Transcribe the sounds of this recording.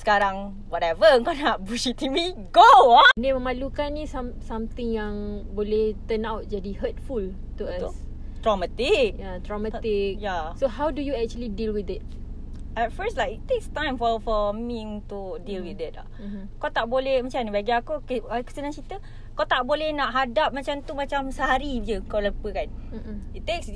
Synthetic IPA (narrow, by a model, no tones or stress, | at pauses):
sə̥kaɾaŋ | wɔtɛvəəŋkanaʔbusit̪imiɡoɔnimə̃malukanːisamsamt̪ɪ̃ŋjaŋbolɛht̪ənawt̚d͡ʒadihət̚ful | t̪uas | t̪ɹɔmat̪ik̚jat̪ɹɔmaik̚jasoɦawdujuɛk̚t͡ʃuəlidilwid̪ɪt̚ | ʔatfəslajkit̪ekst̪ãjmfɔfɔmiŋt̪udilwid̪ɪta̰ | m̩ | kawt̪aʔbolɛhmat͡ʃamnibaɡiakukeakəsənãŋt͡ʃit̪ə | kawt̪aʔbolɛhnaʔɦadap̚mat͡ʃamt̪umat͡ʃamsəɦaɾid͡ʒəkaləpəkanm̩itt̪eks